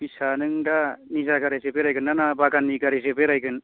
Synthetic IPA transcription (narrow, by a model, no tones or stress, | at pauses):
bisanɯŋdanizakaɾesepeɾajɡɯnːanabaɡanːiɡaɾesepeɾajɡɯn